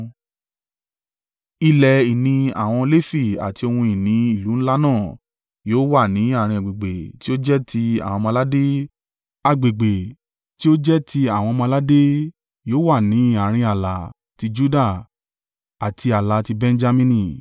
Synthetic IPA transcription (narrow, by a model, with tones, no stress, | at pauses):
i˧lɛ˨i˨nĩ˧a̰˨w̃ɔ̃˧le˦fi˦˨a̰˨ti˧o˧hũ˧i˨nĩ˨˦i˦˨lu˨˦ñ̩˦la˦nãː˦˨ | joː˦wa˦˨nĩ˨˦a˦˨ɾ̃ĩ˧a˨ɡ͡be˨ɡ͡be˨ti˦o˦d͡ʒɛ˦tʰi˧a̰˨w̃ɔ̃˧mã˧la˦de˦ | a˧ɡ͡be˨ɡ͡be˨ | ti˦o˦d͡ʒɛ˦tʰi˧a˨w̃ɔ̃˧mã˧la˦de˦ | joː˦wa˦˨nĩ˨˦a˦˨ɾ̃ĩ˧a˨la˨ | ti˧d͡ʒu˦da˦˨ | a˨tʰi˧a˨la˨˦ti˧bɛ̃˦˧n˦d͡ʒa˧mĩ˧nĩ˧˨